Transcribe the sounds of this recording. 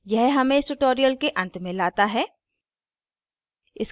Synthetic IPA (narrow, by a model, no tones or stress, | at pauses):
jɛɦɦɐmẽɪsʈʊʈoːɾijəlkeʔɐ̃nt̪mẽlaːt̪aɦɛː | ɪs